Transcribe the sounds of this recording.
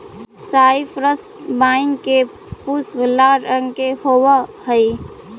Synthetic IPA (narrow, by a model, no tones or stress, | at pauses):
saipʰɾəsbaɪnke | pusbəlːaɾəŋkehowəhəj